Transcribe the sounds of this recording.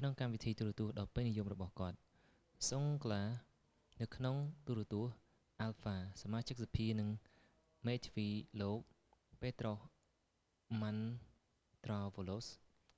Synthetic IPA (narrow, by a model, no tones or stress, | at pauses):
kʰnoŋkamʋit̪ʰiːt̪uɾət̪uəhɗɑːpenijumrɔɓɑhkŏət̪̚ | soŋklaː | nɨwkʰnoŋt̪uɾɛ̆ət̪uəh | ʔalfaːsamaːt͡ɕɨk̚sapʰiənɨŋ | meːt̪ʰʋiːloːk̚ | peːt̪roh | man | t̪rɑːʋolos